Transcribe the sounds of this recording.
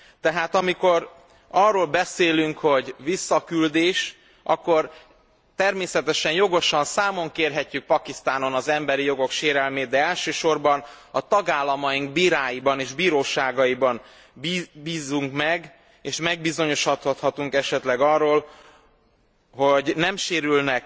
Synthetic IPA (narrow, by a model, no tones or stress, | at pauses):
t̪ɛɦaːt̪ɒmiko̞r | ɒrːoːlbɛseːlyŋkho̞ɟvisːɒkyld̪eːʃ | ʔɒ̰kːo̞r | t̪ɛrmeːsɛt̪ɛʃɛnjo̞ɡo̞ʃɒnsaːmo̞ŋkeːrɦɛcːyk̚pɒkist̪aːno̞nɒzɛmbɛɾijo̞ɡo̞kʃeːɾɛlmeːt̪̚d̪ɛɛlʃøːʃo̞rbɒn | ɒt̪ɒɡaːlːɒmɒjiŋɡbiːɾaːjibɒneːʒbiːɾoːʃaːɡɒjibɒn | bibiːzuŋkmɛɡ | eːʃmɛɡbizo̞ɲo̞ʃhɒt̪hɒt̪hɒt̪uŋkɛʃɛt̪lɛɡɒrːoːl | ɦo̞ɟnɛmʃeːɾylnɛk